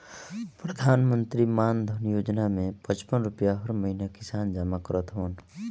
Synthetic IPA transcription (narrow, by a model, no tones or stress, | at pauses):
pɾəd̪ʱaːnmə̃nt̪ɾimaːnd̪ʱənjoːd͡ʒnamẽpə̃t͡ʃpənɾʊpjaɦəɾməinakɪsaːnd͡ʒamakəɾət̪ɦoən